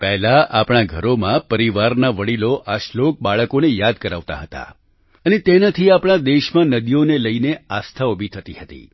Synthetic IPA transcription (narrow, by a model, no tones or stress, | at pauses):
pɛɦlaʔapɽ̃aɡʱəɾomãpəɾiʋaɾnaʋəɽiloʔaʃlok̚ɓaɭəkonejad̪̚kəɾa̰ʋt̪a̰ɦət̪a̰ | ənet̪enat̪ʰiapɽ̃ad̪eʃmãnəd̪ijoneləineast̪ʰaobʱit̪ʰət̪iɦət̪ḭ